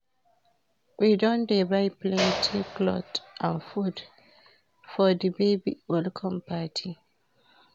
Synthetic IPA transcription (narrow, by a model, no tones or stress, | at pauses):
wʔidɔ̃ndeɹaɪplɛ̃ntʰiklɔ̰tãnfud | fɔdibebḭwɛlkʰɔ̃mpatʰi